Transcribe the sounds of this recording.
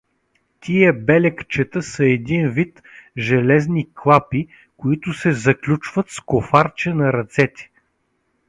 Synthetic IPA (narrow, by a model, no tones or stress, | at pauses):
t̪iəbɛlɛkt͡ʃɛt̪əsəɛd̪invit̪ | ʒɛlɛzniklˠapi | kʊit̪ʊsɛzɐklʲut͡ʃvət̪skofaɾt͡ʃɛnɐɾɐt̪sɛt̪ʲɛ̥